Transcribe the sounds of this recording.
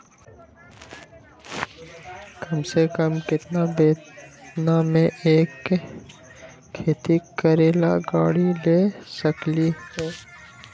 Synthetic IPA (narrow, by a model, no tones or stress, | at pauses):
kɐmsekəmkɪt̪nabeːnamẽʔeːk | eːt̪ikəɾeːla̰ɡaːɽileːsəklihɛː